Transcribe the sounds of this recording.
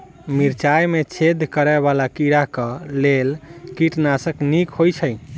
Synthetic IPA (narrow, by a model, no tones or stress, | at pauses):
miɾt͡ʃajmet͡ʃʰed̪ʱkəɾɛβalakiɾakəlelkiʈnasəknikhojt͡ʃʰəj